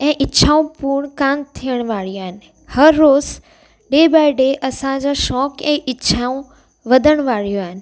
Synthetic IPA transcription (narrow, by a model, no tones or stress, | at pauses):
ɛ̃ːʔɪtːɕʰaːũpuːɾɳ̃kaːmt̪ʰijəɽ̃ʋaːɽijoaːɦɪnɪ̆ | hɐɾːoːz | ɖeːbaːɪɖeʔɐsãd͡ʑoʃɔːkɛ̃ːʔɪtːʃʰaũ | ʋɐd̪ʱəɽ̃ʋaːɽ̤ijoaːɦɪnɪ̆